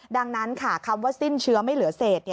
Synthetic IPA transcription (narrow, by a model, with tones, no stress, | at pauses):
da˧ŋna˦˥nkʰa˥˩kʰa˧mwaː˥˩si˥˩nt͡ɕʰɯ˧ɐma˥˩jlɯ˨˩˦ɐ˦seː˨˩t̪̚ni˥˩